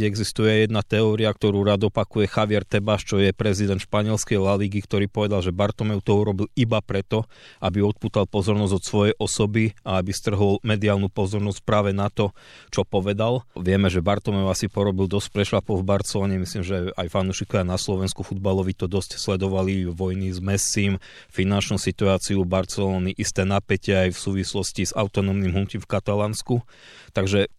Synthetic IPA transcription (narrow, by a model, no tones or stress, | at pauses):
ɛɡzist̪ujɛajɛd̪nat̪ɛɔːɾiakt̪ɔɾuːɾaːd̪ɔpakujɛxaʋɪɛɾt̪ɛbaʃt͡ʃɔjɛpɾɛzid̪ɛnt̪ʃpaɲɪɛlskɛjlaliːɡikt̪ɔɾiːpɔʋɛd̪alˠʒɛbaɾt̪ɔmɛʊt̪ɔuɾɔbilibapɾɛt̪ɔ | abiɔt̪̚puːt̪alpɔzɔɾnɔzɟɔt̪sʋɔjɛjʔɔsɔbiaabist̪r̩ɦɔlmɛd̪iaːlnupɔzɔɾnɔsc̚pɾaːʋɛnat̪ɔ | t͡ʃɔpɔʋɛd̪alʋɪɛmɛʒɛbaɾt̪ɔmɛʊasipɔɾɔbild̪ɔsc̚pɾɛʃlapɔvbaɾt͡sɛlɔːɲɛmislimʒɛajfanuʃikɔianaslɔʋɛnskufud̪̚balɔʋit̪ɔd̪ɔscslɛd̪ɔʋaliʋɔjnizmɛsiːm | finant͡ʃnuːsit̪uaːt͡siubaɾt͡sɛlɔːniʔist̪ɛːnapɛcɛajfsuːʋislɔsciza̰ʊt̪ɔnɔːmnimɦuciːmfkat̪alaːnsku | t̪aɡʒɛ